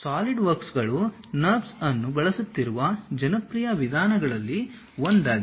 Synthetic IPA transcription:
saːliɖʋɐɾksɡɐɭu | nɐɾbsɐnːubɐɭɐsut̪ːiɾuʋɐd͡ʒɐnɐpɾijɐʋid̪ʱaːnɐɡɐɭɐlːi | ʋond̪aːɡi

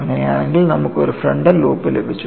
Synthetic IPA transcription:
ɐŋːɐnejaːɳeŋɡilnɐmukːoɾufreɳɖɐlːuːpːilebʱit͡ɕːu

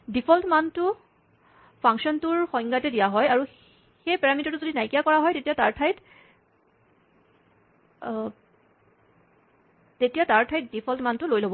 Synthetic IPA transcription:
dipʰɔltmantʊ | pʰaŋkʃɔntuɹxɔjŋɡatɛdijaɦɔjaɹu | xejpɛɹamitɔtuzodinajkijakɔɹaɦɔjtetijataɹtʰajt | tetijataɹtʰajt̚dipʰɔltmantʊlojlobɔ

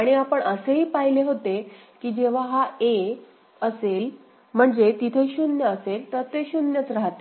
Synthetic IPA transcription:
aɽ̃iapəɳəseɦiːpaɦileɦot̪e | kiːd͡ʑeʋ̤aɦae | əsel | m̤əɳd͡zet̪it̪ʰeɕunjəːselt̪əɾt̪eɕunjət͡sɾaɦt̪e

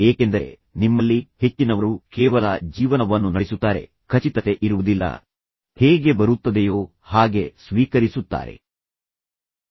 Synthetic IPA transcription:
eːke̞nd̪ɐɾḛ | nimːɐlːihe̞t͡ʃːinɐʋɐɾukɛːʋɐlɐd͡ʒiːʋɐnɐʋɐnːunɐɽisut̪ːaːɾe̞̰ | kʰɐt͡ʃit̪ɐt̪e̞ʔiɾuʋud̪ilːɐ̰ | heːɡe̞bɐɾut̪ːɐd̪ejoː | haːɡe̞sʋiːkɐɾisut̪ːa̰ːɾe̞̰

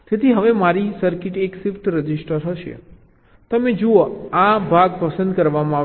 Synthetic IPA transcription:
t̪et̪ʰiɦəʋemaɾisəɾkɪʈeksɪfʈɾəd͡ʒisʈəɾɦəʃḛ | t̪əmed͡ʒuoabʱaɡpəsənd̪kəɾʋamãa

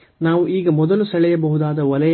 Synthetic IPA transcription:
naːʋuʔiːɡɐmɔd̪ɐlusɐɭɛjɐbɐɦud̪aːd̪ɐʋɐlɐj

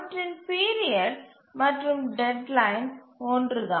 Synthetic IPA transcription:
ʈɾɪnpiːɾɪɐɖ | mɐʈrɯmɖɛɖlɐɪnoːndɾɯðã̰ː

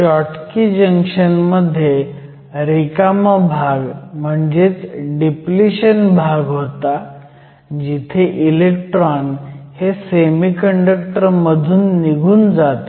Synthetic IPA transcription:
ɔʈkid͡ʑəŋkʂənməd̪ʱːje | ɾikamabʱaɡm̤əɳd͡zet͡sɖipliɕənbʱaɡɦot̪a | d͡ʑit̪ʰeʔilekʈɾɔnhesemikəɳɖəkʈəɾməd̪ʱuːnːiɡʱuːnd͡zat̪

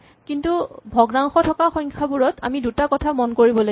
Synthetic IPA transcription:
kintubʱɔɡnaŋxɔtʰɔkaxɔjŋkʰabuɹɔtʰa̰midutakɔtʰamɔnkoɹibɔlo

